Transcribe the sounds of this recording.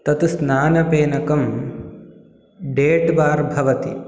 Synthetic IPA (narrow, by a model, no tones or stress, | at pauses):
t̪ɐt̪usnaːnɐpeːnɐkɐm | ɖeːʈbaːɾbʱɐʋɐt̪ḭ